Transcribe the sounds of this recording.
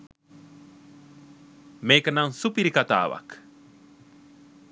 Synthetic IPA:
mekanaŋsupiɾikat̪a̰ːwa̰k

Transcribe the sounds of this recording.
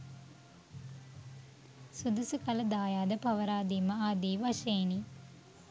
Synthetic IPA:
sud̪usukɐlɐd̪aːjaːd̪əpɐʋɐɾaːd̪iːməaːd̪iːʋɐʃeːni

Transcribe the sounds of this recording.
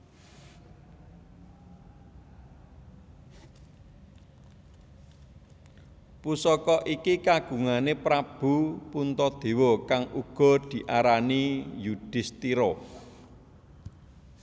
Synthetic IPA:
pusɔkɔʔikikaɡ̥ṳŋanepɾab̥ṳpunt̪ɔd̪̥e̤wɔkaŋʔuɡ̥ɔ̤d̪̥i̤ʔaɾanijud̪̥ɪst̪iɾɔ

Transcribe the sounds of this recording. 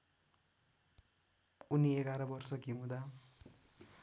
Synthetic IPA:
unieɡaɾʌbʌrsʌkimud̪a

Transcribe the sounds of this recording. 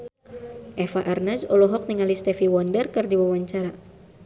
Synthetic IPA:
ʔɛfaʔarnɛsɔlɔɦɔk̚nəŋalist̪ɛfiwɔndərkɨrdiwawaɲt͡ʃaɾa

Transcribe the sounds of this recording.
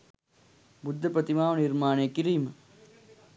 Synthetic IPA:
bud̪ʱːɐpɾɐt̪imaːʋɐniɾmaːneːkiɾiːmɐ

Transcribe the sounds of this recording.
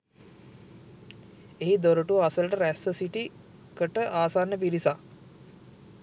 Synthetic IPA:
eɦid̪oɾəʈuʋasələʈəɾæsʋəsiʈi | kəʈəʔaːsaːnːəpiɾisa

